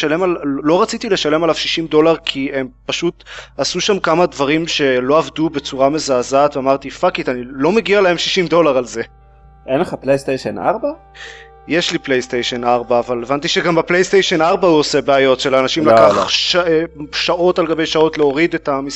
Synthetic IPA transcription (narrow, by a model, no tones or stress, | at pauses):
ale̞mallo̞ʁat͡sit̪ile̞ʃale̞malavʃiʃimdo̞laʁkʰie̞mpaʃutasuʃamkamadvaʁimʃe̞lo̞avdube̞t͡suʁame̞zaːzat̪veamaʁt̪ifakit̪anilo̞meɡialahe̞mʃiʃimdo̞laʁalze̞ | ʔenleχaplejst̪eʃena̰ʁba | je̞ʃliplejst̪ejʃe̞naʁbaːvalevant̪iʃeɡambaplejst̪ejʃenaʁbauose̞beajo̞tʃelanaʃimlakaχʃʃaʔo̞talɡabe̞jʃao̞tleoʁid̪etamis